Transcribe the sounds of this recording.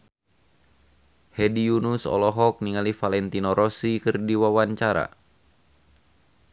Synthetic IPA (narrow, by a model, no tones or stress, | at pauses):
hɛdiunusɔ̰lɔɦɔk̚niŋalifalɛnt̪inoɾɔsikɨrdiwawaɲt͡ʃaɾa̰